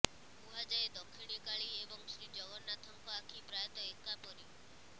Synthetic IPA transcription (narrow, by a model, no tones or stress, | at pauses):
buɦad͡ʒaed̪ɔkʰːiɽ̃ikaɭiebɔŋsɾid͡ʒɔɡɔnːat̪ʰɔŋkɔakʰipɾajɔt̪ɔekapɔɾi